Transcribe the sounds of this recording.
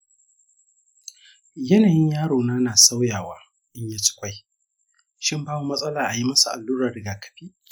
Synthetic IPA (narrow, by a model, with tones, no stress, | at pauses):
jɐ˦naː˨jɪ˦ɲjaː˦ɽoː˨naː˦naː˨sa˦wjaː˨waː˨˦ | ʔɪ˦ɲjaː˦t͡ʃɪ̥˦kʷa˦j | ʃɪ˦mbaː˦wu˦mɐ˦sʼɐ˦laː˨ʔa˨ji˦mɐ˦su˨ʔa̰˨lːuː˦ɾɐ˨rɪ˨ɡaː˨kɐ̥˨ɸiː˦